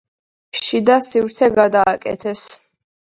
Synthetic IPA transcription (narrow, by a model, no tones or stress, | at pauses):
ʃid̪asivɾt̪sʰɛɡad̪aːkʼɛ̰t̪ʰɛs